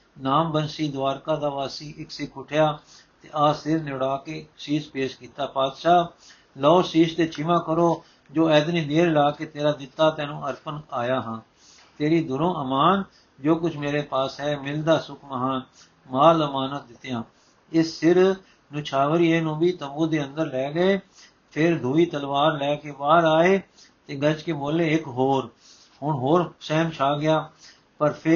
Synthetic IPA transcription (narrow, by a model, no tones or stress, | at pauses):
naːmbənsiːd̪aːɾkãːd̪aːʋaːsiːʔɪksɪkʰʊʈʰɪjaː | t̪eːʔaːsɪɾnɪɽaːkeːsiːspeːʃkiːt̪aːpaːd̪ʃaː | lɔːsiːst̪eːt͡ʃʰɪmãːkəɾoː | d͡ʒoːɛːd̪nĩːd̪eːɾlaːkeːt̪eːɾaːd̪ɪt̪ːaːt̪ɛːnũːəɾpənaːjaːɦə̃ː | t̪eːɾiːd̪ʊɾõːʔəmaːn | d͡ʒoːkʊt͡ʃʰmeːɾeːpaːsɦɛːmɪld̪aːsʊkʰməɦaːn | maːɾəmaːnət̪̚d̪ɪt̪ːjãː | ɪsːɪɾ | nʊt͡ʃʰaːʋəɾiːeːnũːbiːt̪əmbuːd̪eːənd̪əɾlɛːɡəeː | pʰɪɾd̪ʱuːiːt̪əlʋaːɾlɛːkeːʋaːɾaːeː | t̪eːɡət͡ʃkeːboːleːɪkɦoːɾ | hʊɳɦoːɾsɛːmt͡ʃʰaːɡɪjaː | pəɾpʰɪ